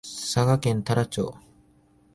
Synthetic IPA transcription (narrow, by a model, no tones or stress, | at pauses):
saɡakẽnt̪aɾat͡ɕo̰ː